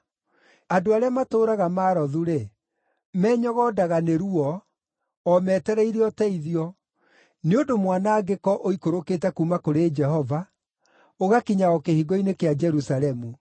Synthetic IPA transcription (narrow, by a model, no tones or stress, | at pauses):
adoaɾeamatoːɾaɣamaːɾɔðuɾe | mɛːɲɔɣɔdaɣaneɾuɔː | mɛːtɛɾɛiɾeɔtɛiðiɔ | neodomwanaːɡekɔʔoikoɾokeːtɛkumakoɾed͡ʒɛhɔva | oɣakiɲaɔkehiɡɔinekead͡ʒɛɾusalɛmu